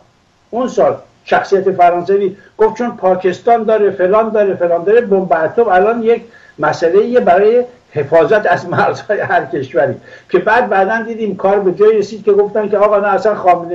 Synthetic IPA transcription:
ʔunsɒːl | ʃæxsijæt̪e̞fæɾɒːnsæviːɡ̥oft̪̚t͡ʃʰonpʰɒːkʰe̞st̪ɒːnd̪ɒːɾefe̞lɒːnd̪ɒːɾefe̞lɒːnd̪ɒːɾe̞bombæɾt̪ʰobælɒːnjekʰ | mæsæle̞iːjebæɾɒːje̞ | he̞fɒːzæt̪æzmæɾz̥hɒːjehæɾkʰe̞ʃvæɾḭːkʲʰe̞bæːd̪̚bæːd̪ænd̪iːd̪iːmkʰɒːɾbe̞d͡ʒɒːiɾesiːd̪̥̚kʲe̞ɡo̞ft̪ænkʲeɒːɣɒːnæːsænxɒːmene

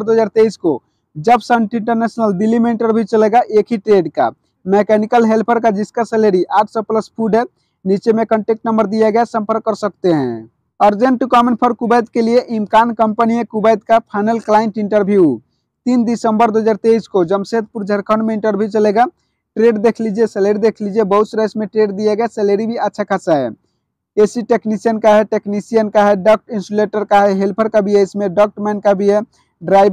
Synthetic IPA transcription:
ɾd̪oɦəd͡ʒaɾt̪eisko | d͡ʒəbsəɳʈiɳʈəɾnesnəlɖilimeiɳʈəɾbʱit͡ʃəleɡaʔekʰiʈɾeɖka̰ | mekɛnikəlɦelpʰəɾkad͡ʒiskaseleɾiʔaʈ̚ʰsɔpləspʰuɖɛ̃ | nit͡ʃemekəɳʈek̚ʈnəmbəɾd̪iɛɡɛsə̃mpəɾkːəɾsəkt̪eɦɛ̰̃ | əɾd͡ʒeɳʈːukɔmẽɳʈpʰəɾkubəjd̪kelijeʔimkankəmpənijekubəjd̪̚kapʰaɪnəlklaɪɳʈiɳʈəɾbʱiiu | t̪ind̪isəmbəɾd̪oɦəd͡ʒaɾt̪eiskod͡ʒəmset̪̚puɾd͡ʒʱəɾkʰənmeĩɳʈəɾbʱit͡ʃəleɡa | ʈɾeɖd̪ekʰlid͡ʒeseleɾid̪ekʰlid͡ʒebəusɾasmeʈɾeɖd̪ijeɡaseleɾibʱiətːʃʰakʰasae | esiʈeknisijənkaɦeʈeknisijənkaɦeɖɔk̚ʈĩnsuleʈəɾkaɦeɦelpʰəɾkabʱijesmeɖɔk̚ʈmɛnkabʱije | ɖɾajb

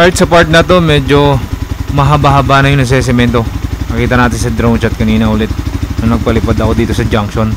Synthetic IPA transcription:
ʔaɹt̪̚sɐpaɹt̪̚nɐt̪o̞mɛːd͡ʒo̞mɐɦɐbaɦɐbanɐjoŋnɐs̬ɛs̬ɪmɛnt̪onɐkiːt̪ɐnaːt̪ɪnsɐd̪ɾownt͡ʃɐt̪̚kɐniːnɐhulɪt̪̚nɐŋnɐɡ̚pɐlɪpad̪ɐko̞d̪iːt̪o̞sɐd͡ʒaŋkʃon

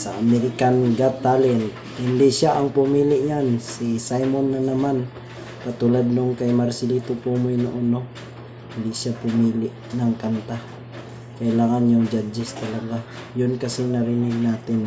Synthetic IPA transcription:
sɐʔɐmɛɾɪkanɡat̪aːlɛnt̪̚ | hɪnd̪iʔʃaʔɐŋpʊmiːlɪʔɲansisajmonːɐnɐman | kɐt̪ulad̪̚noŋkɐjmaɾsɪliːt̪ʊpumʊjnʊʔʊno | hɪnd̪ɪʃapʊmiːlɪʔnɐŋkant̪a | kɐʔɪlaːŋanjʊŋd͡ʒad͡ʒɛst̪ɐlɐɡa | jʊnkɐsɪŋnɐɾɪnɪɡ̚naːt̪ɪn

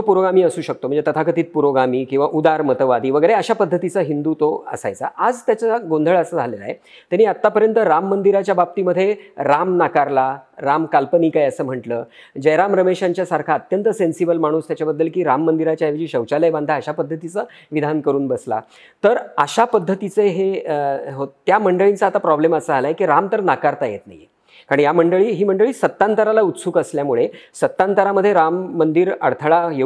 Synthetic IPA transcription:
t̪opuɾoɡamiːəsuːɕək̚t̪om̤əɳd͡zet̪ət̪ʰakət̪iːt̪̚puɾoɡamiːkĩw̃ʋaʔud̪aɾmət̪əʋad̪iːʋəɡəjɾeəɕapəd̪ʱːət̪it͡səɦind̪uːt̪oə̰sa̰jt͡sa̰ʔad͡zt̪jat͡saɡõnd̪ʱəɭəsəːd͡zʱalela̰ɦḛ | t̪janiːat̪ːapəɾjənt̪əɾamːənd̪iɾat͡ɕjabap̚t̪iːməd̪ʱːjeɾamnakaɾlaɾamkalpəniːkajəsəːm̤əʈləː | d͡ʑəjɾamɾəmeɕãɲt͡ɕjasaɾkʰaət̪jənt̪əsensibəlmaɽ̃uːst̪jat͡ɕjabəd̪ːəlkiːɾamːənd̪iɾat͡ɕjaeʋd͡ʑiːɕəwt͡ɕaləjband̪ʱaːɕapəd̪ʱːət̪it͡sə | ʋid̪ʱankəɾuːnbəsla̰ | t̪əɾəɕapəd̪ʱːət̪it͡seɦeɦot̪jaməɳɖəɭint͡saːt̪apɾɔbleməsəalaekiɾamt̪əɾnakaɾt̪ajet̪na̰j | kaɽ̃ijaməɳɖəɭiːɦiːm̤əɳɖəɭiːsət̪ːant̪əɾalaut̪sukəsljamuɭesət̪ːant̪əɾaməd̪ʱːjeɾamːənd̪iːɾəɽt̪ʰəɭaje

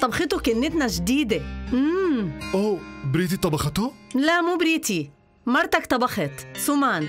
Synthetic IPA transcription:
t̪ˤɑbɑxɪt̪ʊkɪnːɪt̪naʒd̪iːd̪eʔ̩ːʔoːbɾiːt̪̬it̪ˤɑbɑxɑt̪ʊlamuːbɾiːt̪i | mɑɾˤt̪akt̪ˤɑbɑxɪt̪sumaːn

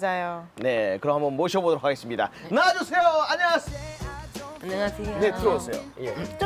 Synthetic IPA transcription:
d͡ʑajone̞kɯɾʌmɦambʌnmoɕʰʌbodoɾokʰaɡe̞s͈ɯmɲida̰naad͡ʑusʰe̞joaɲaŋasʰ | ɲasne̞tɯɾosʰe̞jo̰

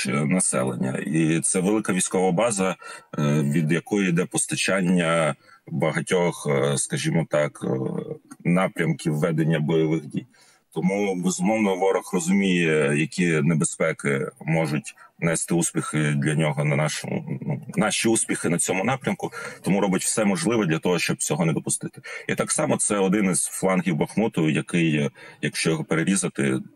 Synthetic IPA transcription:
nɐsɛ̰lˠḛnʲːɐ̰it̪sɛʋelˠɪkɐʋʲijsʲkɔʋɐbɑzɐ | ʋʲid̪jɐkɔjʊid̪ɛpɔst̪ɐt͡ʃɑnʲːɐbɐɦɐtʲɔxskɐʒʲimɔt̪ɑk | nɑpɾʲɐmkʲiwːɛd̪enʲːɐbɔjɔʋɪɣdʲij | t̪ɔmubezʊmɔwnɔʋɔɾɔxrɔzʊmʲijɛjɐkʲinebespɛkɪmɔʒʊtʲnɛst̪ɪuspʲixɪd̪lʲɐnʲɔɦɔnɐnɑʃɔmʊ̰nunɑʃʲiuspʲixɪnɐt͡sʲɔmʊnɑpɾʲɐmkʊt̪ɔmuɾɔbɪtʲw̥sɛmɔʒlˠɪʋɔd̪ʲlʲɐt̪ɔɦɔʃt͡ʃɔb̚t͡sʲɔɦɔnɛd̪ɔpʊst̪ɪt̪ɪ̥it̪ɑksɑmɔt̪sɛɔd̪ɪnɪzflˠɑnɦʲiwbɐxmut̪ʊjɐkɪjjɐkʃt͡ʃɔjɔɦɔpeɾeɾʲizɐt̪ɪ̰

